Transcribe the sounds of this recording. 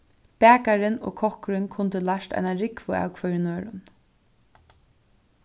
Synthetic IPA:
b̥æːkaɾɪno̰ːkʰɔhkʊɾɪnkʰʊnt̪əlaʃt̪a̰jnaɾɪkvʊa̰ːwkʰvœʏɾɪnøːɾʊ̰n

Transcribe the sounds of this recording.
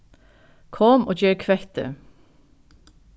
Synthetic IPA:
kʰɔmo̰ːd͡ʒøːɾkʰʋɛt̪ə̰

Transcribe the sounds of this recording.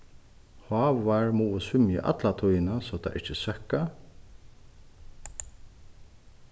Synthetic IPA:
hɑːʋaɹmuʊsʏmjə̰ʔa̰t̪lat̪ʰujnasɔt̪ʰa̰ʔɪ̰ht͡ʃɪsœkːa

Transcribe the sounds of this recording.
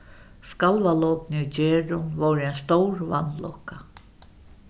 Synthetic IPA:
skalvalɔwpnɪʏt͡ɕɛːɾʊnvowɾɪɛnst̪owɾva̰nːlɔka

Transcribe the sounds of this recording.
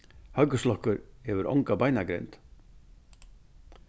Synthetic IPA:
hœkʏslɔhkʏɾhɛvʏɾʔɔ̰wŋkabaːjnakɾḛjnt̪

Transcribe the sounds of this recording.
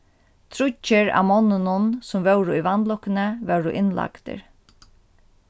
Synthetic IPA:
t̪ʰɾʊt͡ʃːɪɾa̰mɔnːʊnʊnsʊmvœwɾʊivant̪lɔkːɪnəʋɛwɾʊʔɪnla̰kt̪ɪ̰ɹ

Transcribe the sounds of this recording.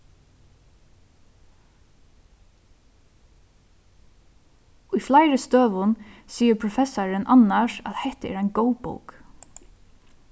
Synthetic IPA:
ʊjflajɾɪst̪øːʋʊnsiːəɾpʰɾʊfɛsaɹɪnʔanːaʂa̰ðhɛht̪əɛ̰ɾajnɡowpo̰wk

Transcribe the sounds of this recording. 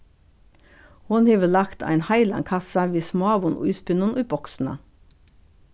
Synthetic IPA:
hʊnheːʋəlɑkt̪ʰæ̰ɪnhɑɪlɑ̰ŋkʰɑsəʋeːsmɑʋʊnʔṵʊ̰ʏːspɪnʊnʔoːbɔksn̩ə̰

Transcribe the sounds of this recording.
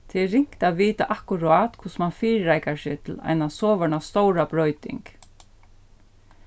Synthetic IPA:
t̪ʰɪɾɪŋ̥kt̪aðʋiːt̪a̰ʔahkʊɾaːt̪kʰʊsmanfiːɾːajkasɪt̪ʰɪla̰jnasɔːʋœɳast̪ɔwɾabɾɔʏt̪ɪ̰ŋk

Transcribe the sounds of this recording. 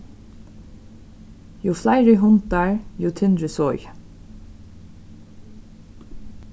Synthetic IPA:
juːflæɪɹɪɦʊnt̪ɑɹjuːt̪ʰɪnd̪ɾəsɔʏ

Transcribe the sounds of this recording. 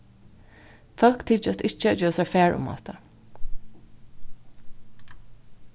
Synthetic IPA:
fɑlkt̪ʰiːt͡ʃəst̪ɪt͡ʃəd͡ʒøːsæfeːɹʔʊ̰mɑ̰ːt̪ə

